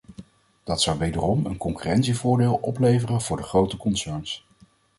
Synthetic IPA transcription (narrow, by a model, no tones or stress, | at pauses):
d̥ɑtsʌwʋejdərɔmə̰nkɔŋkyrɛntsivʊːɹdeːlˠʔɔplejvərənv̥ʊːɹdəχrowtəkɔnsɛɹns